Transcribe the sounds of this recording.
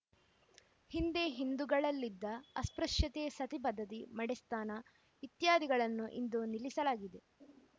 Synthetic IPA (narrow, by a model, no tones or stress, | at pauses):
hind̪eɦind̪uɡɐɭɐlːid̪ːɐɐspɾɐʂjɐt̪eːsɐt̪ibɐd̪ʱːɐt̪imɐɽest̪aːnɐ | ʋit̪jaːd̪iɡɐɭɐnːuʔḭnd̪unilisɐlaːɡid̪e